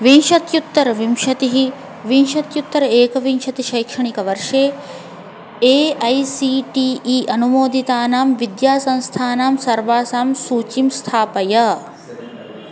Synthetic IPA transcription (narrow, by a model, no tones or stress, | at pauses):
ʋinʃɐt̪jut̪ːɐɾɐʋimʃɐt̪iɦi | ʋinʃɐt̪jut̪ːɐɾɐeːkɐʋinʃɐt̪iʃɐjkʂɐɳikɐʋɐɾʂeː | eːɐjsiʈiːiːʔɐnumoːd̪it̪aːnaːmʋid̪jaːsɐ̃nst̪ʰaːnaːmsɐɾʋaːsaːmsuːt͡ʃimst̪ʰaːpɐjɐ